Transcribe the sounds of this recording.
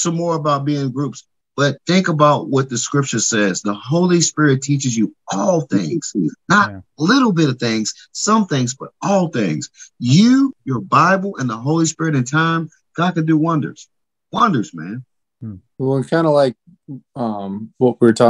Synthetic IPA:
sʌ̃mɔɹəbaʊt̚b̥iɪ̃ŋɡɹups | b̥ʌt̪̚θɪ̃ŋkəbaʊʔ̚wʌt̪̚ðɨskɹɪp̚t͡ʃə˞sɛzðəɦoʊlˠispɪɹɨtʰit͡ʃɨzjɨɔlˠθɪ̰̃ŋz̥nət̚lɪɾl̩ˠbɪɾʌv̥θɪ̃ŋz̥ | sʌ̃mθɪ̃ŋzb̥ʌɾɔlˠθɪ̃ŋz̥jʉjə˞baɪbl̩ˠə̃nðəɦoʊlˠispɪɹɨɾɨ̃ntʰãɪ̃m | ɡ̥ɑd̚kɨ̃ndɨwʌ̃ndə̰˞z̥ | wʌ̃ndə˞zmæ̰̃n | wɛlˠə̃nkʰãɪ̃ndəlaɪk̚ | ʌ̃mwʌt̚wətʰa

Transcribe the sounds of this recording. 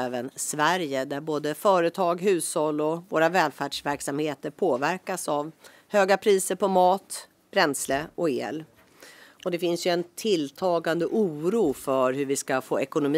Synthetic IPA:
ɛːvənsvæɾjəd̪æɾboːd̪əfœːɾət̪ʰɑːɡɦʉ̟ːshɔlːɔvoːɾavɛːlfæɖʂvæɾksamheːt̪əɾpʰoːvæɾkasav | høːɡapʰɾiːsəɾpɔmɑːt̪ | b̥ɾɛnsləɔḛːl | ɔd̪ɛfɪnsjɵɛnt̪ʰɪlːt̪ʰɑːɡand̪əʔuːɾuːfœɾɦɵvɪskafo̰ːɛkʊnʊm

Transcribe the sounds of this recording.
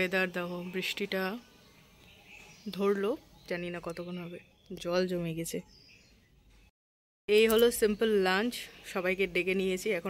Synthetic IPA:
ed̪aɾd̪ɛɦobɾiʃʈiʈa | d̪ʱoɾlo | d͡ʑaninakɔt̪okʰonoɦɔbe | d͡ʑɔld͡ʑomeɡɛt͡ɕʰe | ejɦolosimpəlːant͡ɕʃɔbajkeɖekenijet͡ɕʰiɛkʰo

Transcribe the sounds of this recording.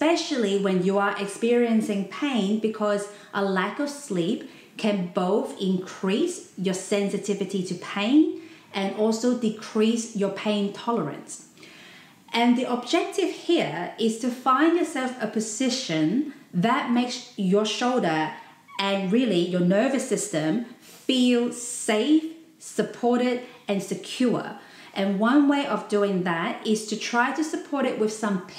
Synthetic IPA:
spɛʃl̩ˠiwɨ̃njəə˞ʔɪkspɪɹiɨ̃nsɪ̃ŋpʰẽɪ̃nbɨkʰʌz | ʔəlækʌv̥slip | kʰɨ̃nboʊθɪ̃nkʰɹ̥isjə˞sɛ̃nsɨtʰɪvɨɾiɾɨpʰẽɪ̃n | ɨ̃nɔlˠsoʊdɨkʰɹ̥isjə˞pʰẽɪ̃ntʰɑlˠə˞ɨ̰̃ns | ʔɨ̃nðiʔəb̚d͡ʒɛk̚tɪv̥hiɹɪz̥tʰɨfãɪ̃ndjə˞sɛlˠfəpʰɨzɪʃɨ̃nðɨt̚meɪksjə˞ʃoʊlˠdə˞ | ɨ̃nɹɪlˠijə˞nɜ˞vɨsɪstɨ̃m | filˠseɪf | sɨpʰɔɹɾɪɾɨ̃nsɨkʰj̥ɔ | ʔɨ̃nwʌ̃nweɪʔʌvdʉɪ̃ŋðəɾɪz̥tʰɨtʰɹ̥aɪɾɨsɨpʰɔɹɾɨʔ̚wɨð̥sʌ̃m

